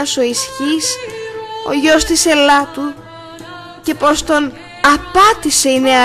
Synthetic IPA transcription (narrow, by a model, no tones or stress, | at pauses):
ɐso̞isçis | o̞̰ʝo̞st̪ise̞lɐt̪u | ce̞po̞st̪o̞n | ɐpɐt̪ise̞ine̞ɐ